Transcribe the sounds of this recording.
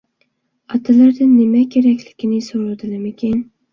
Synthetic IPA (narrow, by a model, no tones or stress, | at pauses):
ɒt̪ʰalaɾd̪ɪnnːɪmakʲʰeɾakʲlɪɡʲɪnɪsoɾad̪ɪlamekʲʰan